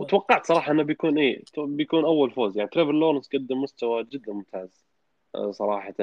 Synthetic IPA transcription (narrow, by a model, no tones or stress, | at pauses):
wt̪wɑqːɑʕt̪sˤɑɾˤɑːħɑʔɪnːabjakuːnʔeːt̪bjakuːnʔawːalfoːzjaʕnit̪ɾevɪlːoːɾˤnsɡad̪ːɪmːʊst̪awad͡ʒɪd̪ːanmʊmt̪ʰaːz | sˤɑɾˤɑːħɑt̪a